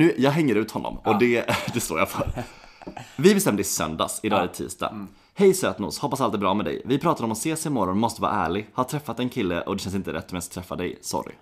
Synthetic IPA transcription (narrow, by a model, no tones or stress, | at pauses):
nʉ̟ːjɑːɡɦɛŋːəɾʉ̟ːt̪hɔnːɔ̰mɔd̪ɛd̪ɛst̪o̰ːja̰foːɾ | vɪbɛst̪ɛmd̪əɪsœ̰nd̪a̰sɪd̪ɑːɛt̪ʰḭːst̪ɑ̰ | hɛjsøːt̪nʊ̰ːshɔpːasalt̪ɛbɾɑːmɛd̪ɛ̰jvɪpʰɾɑːt̪ad̪əɔmɔseːsɪmɔɾɔnmɔst̪əvɑ̰ɾa̰æ̰ːɭɪɡhat̪ʰɾɛfːat̪ɛnkʰɪlːə̰ʔɔd̪ɛʃɛns̬ɪnt̪əɾɛt̪ːɔmɛnst̪ʰɾɛfːad̪ɛ̰jsɔ̰ɾɪ̰